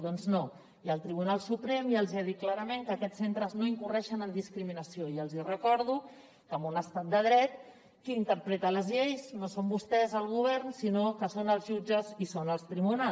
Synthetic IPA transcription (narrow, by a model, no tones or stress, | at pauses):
ðɔnzno | iəlˠt̪ɾiβunalˠsupɾemjəlˠziaðit̪̚klaɾəmẽŋkəkɛt͡ssent̪ɾəznoiŋkurɛʃənənd̪iskɾiminəsioiəlˠzirəkɔɾð̞u | kəmbunəst̪at̪̚d̪əð̞ɾɛt̪ | kiint̪əɾpɾɛt̪ələzʎejznosombust̪ɛzəlˠɣ̞uβ̞ɛɾnsinokəsonəlˠzʒud͡ʒəzisonəlˠst̪ɾiβuna